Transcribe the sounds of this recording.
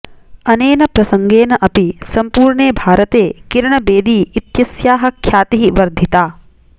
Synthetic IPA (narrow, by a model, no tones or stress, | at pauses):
ɐneːnɐpɾɐsɐŋɡeːnɐʔɐpisɐmpuːɾɳeːbʱaːɾɐt̪eːkiɾɳɐbeːd̪iːit̪jɐsjaːɦɐ̆kʰjaːt̪iɦiʋɐɾd̪ʱit̪aː